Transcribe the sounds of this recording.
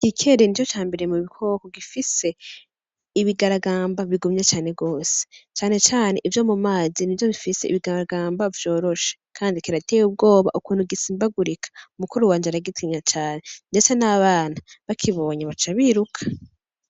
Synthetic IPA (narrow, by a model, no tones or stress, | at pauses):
ɡ̥ikʰe̞ɾinit͡ʃot͡ʃaːmbeɾeemuβikʰo̞ːkoɡifise̞ | iβiɡaɾaɡaːmbaβiɡumɲet͡ʃaːne̞ɡo̞ːse̥t͡ʃaːne̞t͡ʃaːne̞ʔivjo̞mumaːzinivjo̞βifise̞ḭβiɡaɡaːmbavjo̞ːɾo̞ʃe̥kʰaːndikiɾate̞ːjub̚ɡo̞ːβa̰ʔukuːnhuɡisiːmbaɡuɾikʰḁumukuɾuwaːɲd͡ʒeaɾaɡitʰiɲat͡ʃaːne̞nde̞t͡senaβaːn̥haβakʰiβo̞ːɲaβat͡ʃaβiːɾukʰḁ